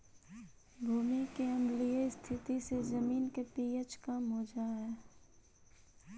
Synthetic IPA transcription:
bʱuːmikeə̃mliest̪ʰɪt̪isezəmiːnkepiːet͡ʃkəmɦod͡ʒaːɦeː

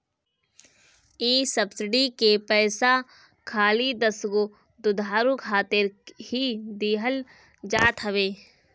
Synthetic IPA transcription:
iːsɐbsɪɖikepɛːsa | kʰaːlid̪əsɡo | d̪ʊd̪ʱaːɾukʰaːt̪ɪɾhid̪iːɦəl | d͡ʒaːt̪ɦəʋeː

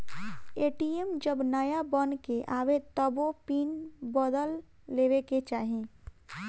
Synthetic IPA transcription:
eːʈiemd͡ʒəbnəjabənkeʔaʋet̪əbopinbəd̪əlː | eʋeket͡ʃaːɦẽ

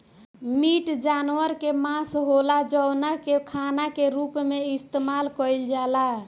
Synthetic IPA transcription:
miʈd͡ʒanwəɾkemasɦolad͡ʒəwnakekʰanakeɾupmeist̪emalkəjld͡ʒala

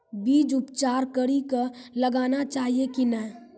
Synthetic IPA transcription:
biːd͡ʒʊpt͡ʃaːɾkəɽikaləɡaːnat͡ʃaːɦiekinɛː

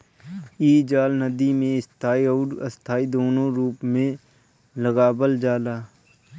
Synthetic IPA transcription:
iːd͡ʒaːlnəd̪imẽɪst̪ʰaːiɔːɾə̰st̪ʰaːid̪oːnõɾuːpmẽ | ləɣaːbəld͡ʒaːlaː

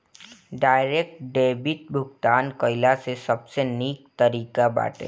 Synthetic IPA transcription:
ɖaːɪɾeːk̚ʈɖeːbɪt̪̚bʱʊɡt̪aːnkəɪlasesəbseniːk̚t̪əɾiːkaba̰ːʈḛ

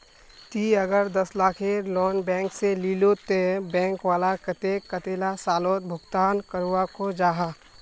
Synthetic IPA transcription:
t̪iɐɡəɾd̪ɐslaːkʰelɔːnbɛ̃ːŋkseliːlot̪ebɛ̃ːŋkʋaːlakɐt̪eːkɐt̪eːlasaːloːt̪̚bʱʊɡt̪aːnkəɾuʋakod͡ʒaːɦaː

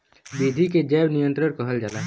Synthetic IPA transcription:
bid̪ʱiked͡ʒɛːbnijə̃nt̪ɾəɽkəɦəld͡ʒaːlaː

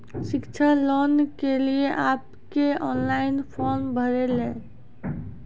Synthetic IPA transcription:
ʃɪkt͡ʃʰalɔːnkelieʔaːp | keɔːnlaːɪnpʰɔːɾmbʱəɾelẽː

